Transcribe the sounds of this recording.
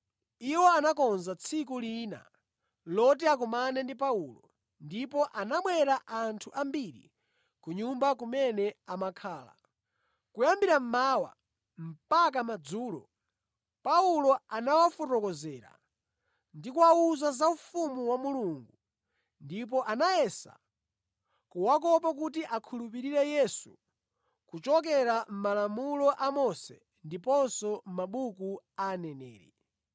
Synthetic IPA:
iwɔanakɔnzat͡sʰik̬uliːna̰ | lɔt̬iak̬umanɛndip̬aulɔ̰ | ndipɔʔanaɓwɛɾaʔantʰuʔambiɾḭ | kuɲumbak̬umɛnɛamakʰaːla̰ | kujambiɾam̩maːwa̰ | m̩pakamad͡zuːlɔ̰ | paulɔanawafurɔkɔzɛːɾa̰ | ndikuauzazaufumuwamuluŋɡu | ndip̬ɔʔanajɛsa̰ | kuwak̬ɔp̬ak̬utiʔakʰulup̬iɾiɾɛjɛsu | kut͡ʃɔk̬ɛɾam̩malamulɔʔamɔsɛ̰ | ndipɔnsɔmaɓukuanɛnɛ̰ːɾḭ

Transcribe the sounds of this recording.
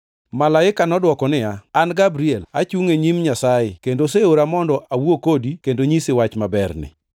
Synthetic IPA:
malaɪkanɔdwɔkɔnɪaanɡabɾiɛla̰t͡ʃuŋeɲimɲasaɪkendoseoɾamɔndɔʔawwokodikendoɲisɪwat͡ʃmabɛrnɪ̰

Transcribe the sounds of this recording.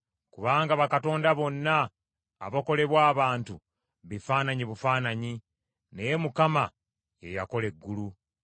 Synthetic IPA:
kuβaːŋɡaβakato̞ːndaβo̞nːaː | βoko̞le̞βwaːβaːntu | βifaːnaɲiβufaːnaɲi | nejemukama | je̞̰ja̰ko̞le̞ɡːulu

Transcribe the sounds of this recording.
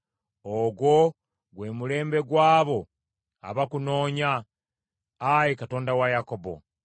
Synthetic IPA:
oɡwo̞ | ɡwe̞ːmule̞ːmbe̞ɡwaːβo̞ | a̰βakuno̞ːɲa | jikato̞ːndawajako̞bo̞̰

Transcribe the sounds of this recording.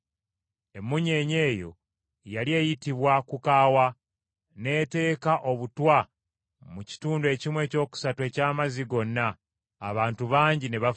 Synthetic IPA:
e̞mːuɲe̞ːɲe̞ːjo̞̰ | jalie̞ːjitiβwakukaːwa | ne̞ːte̞ːkaʔo̞βutwa | muci̥tuːndue̞cimwe̞ːco̞ːku̥satue̞ːcaːmaziɡo̞nːaː | βaːntuβaːɲɟine̞βa

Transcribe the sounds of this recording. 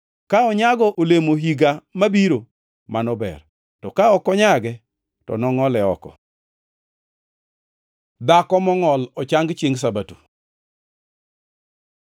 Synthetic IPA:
kaɔɲaɡɔʔolemoɦiɡamabiɾo | manɔbɛ̰r | tɔkaɔkɔɲaɡɛ | tɔ̰nɔŋɔlɛɔkɔ̰ | d̪akɔmɔŋɔlɔt͡ʃaŋɡt͡ʃiŋs̬abatu̥

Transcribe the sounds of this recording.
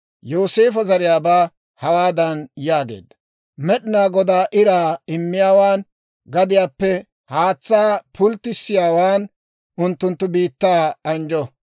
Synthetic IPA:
joːse̞ːfɔzɐɾɪjaːbaː | hɐwaːd̪ɐnjaːɡe̞̰ːd̪ːɐ̥ | mɛɗɪnaːɡɔd̪aːʔɪɾaːɪmːɪjaːwaːn | ɡɐd̪ɪjaːpːɛ | haːt͡sːaːpʰʊlt̪ːɪsːɪjaːwaːn | ʊnt̪ːʊnt̪ːʊbiːt̪ːaːɐnd͡ʒɔ

